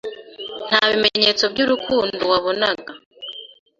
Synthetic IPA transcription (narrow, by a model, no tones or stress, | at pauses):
n̥haβimeɲe̞t͡so̞bɟuɾukʰuːnduwaβo̞naɡa